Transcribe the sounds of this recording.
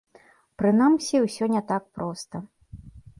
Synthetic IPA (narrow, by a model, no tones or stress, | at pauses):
pɾɨnamsʲiwsʲɔnʲɛt̪ak̚pɾɔst̪ɐ